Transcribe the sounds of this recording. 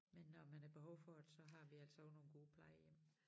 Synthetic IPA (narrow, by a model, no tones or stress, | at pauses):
menːɒmænæɐb̥e̝ɦɒ̽ʊ̰fɒ̽d̥e̥sɒ̽ɦɑ̈ʋiæl̰sɒɒ̽ʊ̥no̝ːn̩ɡ̥o̝ːpʰlɑ̈ɪjem